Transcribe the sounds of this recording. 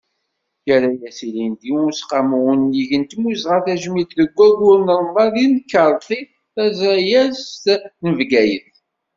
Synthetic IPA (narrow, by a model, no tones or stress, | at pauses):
jæɾæjæsilind̪iʊsqaməwənːjiʝənt̪muzʁəθæʒmit̪ðəɡʷːæɡʊɾnəɾˤmɑðinkːəɾˤθˤi | θæzæjæzt̪nəvɡæjəθ